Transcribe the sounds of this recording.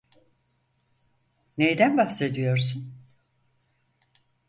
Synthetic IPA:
nejd̪ænbahse̞d̪ijo̞ɾsun

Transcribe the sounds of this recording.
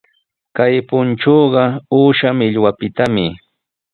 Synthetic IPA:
kajpʊnʈ͡ʂoːɢɑuːʃamɪʎwapɪt̪amɪ

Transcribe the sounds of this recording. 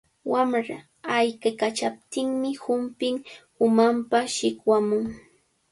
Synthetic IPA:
wamɾa | ajkakat͡ʃap̚t̪ɪŋmɪhʊmpɪŋ | ʊmampaʃɪkwamʊŋ

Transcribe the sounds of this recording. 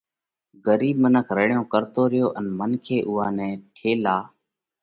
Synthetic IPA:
ɡəɾiːbmənəkʰɾəːɳjõːkəɾt̪oːɾɪjoːʔənmənkʰeːʔʊːaːnɛ̃ːʈʰeːlaː

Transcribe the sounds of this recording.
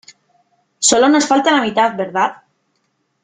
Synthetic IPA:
solonosfalt̪anamit̪at̪beɾðat̪

